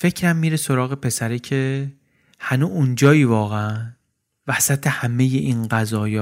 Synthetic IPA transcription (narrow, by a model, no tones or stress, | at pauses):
fe̞cʰɾæmːiːɾeso̞ɾɒːɣe̞pʰe̞sæɾicʰe̞ | hænuund͡ʒɒːiːvɒːɣeæn | væsæt̪ʰe̞hæme̞jeʔinɢæzɒːjɒː